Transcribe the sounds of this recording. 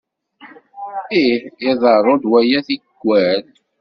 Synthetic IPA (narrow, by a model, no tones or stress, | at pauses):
ijɑðˤərˤod̪wæjæθiɡ̥ʷːæl